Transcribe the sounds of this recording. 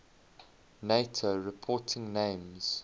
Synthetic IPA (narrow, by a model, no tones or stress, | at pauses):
neɪtʰoɹɪpʰɔˑtʰɪ̃ŋnẽɪ̃mz̥